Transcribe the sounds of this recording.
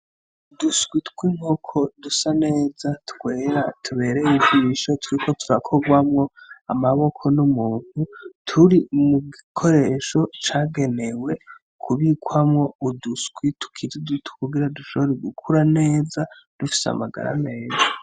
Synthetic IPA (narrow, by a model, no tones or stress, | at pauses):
uduskwitkwiŋ̥okʰo̞dusane̞ːzatkwe̞ːɾatʰuβe̞ɾejiziβiʃo̞tʰuɾikʰo̞tuɾakʰo̞ɡwamŋo̞a̰maβo̞kʰo̞numuːn̥hutʰuɾimuɡikʰo̞ɾe̞ʃo̞t͡ʃaːɡe̞ne̞we̞ | kʰuβikwamŋo̞uduskwitʰu̥kʰizidutu̥kuɡiɾaduʃo̞βoɾeɡukʰuɾane̞ːza | d̥ufi̥sea̰ma̰ɡa̰ɾa̰me̞ːza